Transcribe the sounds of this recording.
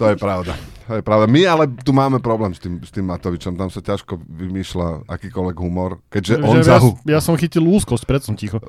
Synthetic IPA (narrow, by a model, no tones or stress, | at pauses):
t̪ɔjɛpɾaʊd̪at̪ɔjɛpɾaʊd̪amialɛt̪umaːmɛpɾɔblɛːmst̪iːmst̪iːmːat̪ɔʋit͡ʃɔmt̪amsacaʃkɔʋimiːʃlaa̰kiːkɔlʋɛɡɦumɔɾkɛɟʒɛɔnsaɦujasɔmxiciluːskɔsc̚pɾɛt̪sɔmcixɔ